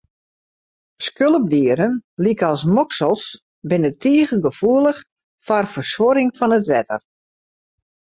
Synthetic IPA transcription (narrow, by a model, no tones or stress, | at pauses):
skølˠəb̚diəɾənlikəɔlˠsmɔksəlˠs | bɪnətʰiəɣəɡəfuəlˠəx | fɔrfərsʋoɾɪŋfɔnətʋɛtə̰r